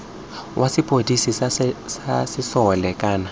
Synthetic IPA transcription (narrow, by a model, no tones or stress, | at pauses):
wʔasɪpʼodisissasɪsɔlɛkʼaːna